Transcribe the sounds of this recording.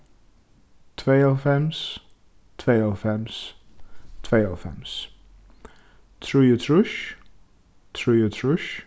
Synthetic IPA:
tʰweɪɛlfɛ̃mz̥ | tʰweɪɛlˠfɛ̃mz̥ | tʰv̥eɪɛlˠfɛ̰̃mz̥ | tʰɹ̥ʉjətʰɹʊʃ | tʰɹ̥ʉjətʰɹʊʃ

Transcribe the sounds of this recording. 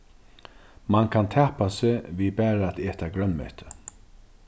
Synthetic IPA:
mankʰant̪ʰɛːhpasɪviːbæːɾaæt̪eːt̪aɡɾœnmɛ̰ht̪ʰə

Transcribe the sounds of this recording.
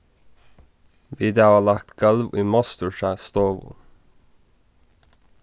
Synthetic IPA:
ʋiːd̪ɛɑʋɑːlɑk̚t̪ɡ̥ɑlʋʔiːmɑst̪əʃæːst̪oːʋʊ̰

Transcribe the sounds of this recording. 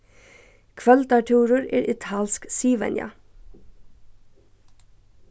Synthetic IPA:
kʰʋœlt̪ɑʈʰuːɾʊɹḛːɹʔɪt̪ʰɑːlsksiːʋɛ̰njɑ̰

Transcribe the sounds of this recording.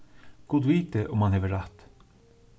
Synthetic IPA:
ɡ̥ud̪ʋiːt̪əʔʊmhɑnɦɛːʋəɾat̪

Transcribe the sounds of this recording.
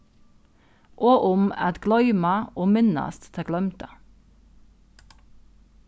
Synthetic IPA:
ʔoːʔʊmæ̰t̪ɡlœʏmɑʔoːmɪnɑ̰st̪t̪ʰeɡlœmt̪ə

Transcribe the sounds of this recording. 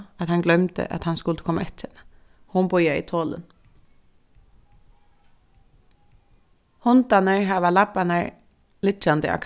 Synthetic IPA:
at̪hɑnɡlœmt̪ə̰ʔa̰t̪hɑnskʊlt̪əkʰɔma̰ɛt̪ə | hʊmbʊjaḭt̪ʰoːlə̰n | hʊnt̪anəɹɦɑːʋalapːanəɹ | lɪt͡ʃand̪ə̰ʔa̰kʰ

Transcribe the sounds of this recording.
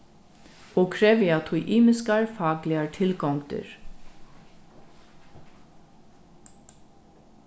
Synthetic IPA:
oːkʰɾɛːʋɪɑt̪ʰʊʔiːmɪskɑɹfɑːɡlɪɑɹtʰɪlɡɔŋɡd̪ə̰ɹ

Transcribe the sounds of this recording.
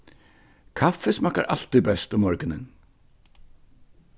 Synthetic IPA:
kʰafɛsmaka̰ɾʔa̰l̥t̪ibɛst̪ɔmɔɹkɪnɪ̰n

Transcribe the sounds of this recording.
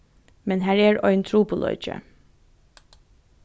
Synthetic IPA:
mɛnɦæːɹæːɹœʏnt̪ʰɾuːpʊlɔ̰ːd͡ʒə̰

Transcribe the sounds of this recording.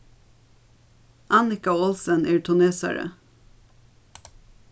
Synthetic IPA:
ʔɑnɪkɑːɔlsənʔeːʈʰʊneːsæ̰ɹə̰

